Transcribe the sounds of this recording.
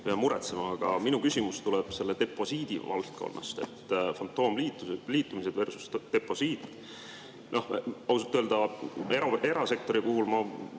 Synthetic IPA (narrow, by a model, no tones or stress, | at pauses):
peɑmuɾet̪semɑːɡ̥ɑ̰minukysʲimust̪ulɛb̥se̞lːed̪e̞pːˑo̞siːd̪̥ḭvɑ̰lt̪̚kʰo̞̰nːʔɑ̰st̪e̞̰t̪ːˑfɑnt̪ːˑo̞ːmliːt̪ːˑuliːt̪ːˑumised̪̥ve̞rsu̥st̪t̪e̞pːo̞siːt̪ | no̞hɑusut̪ːˑøld̪ɑeɾɑe̞ɾɑse̞k̚t̪o̞ɾikuhulmɑ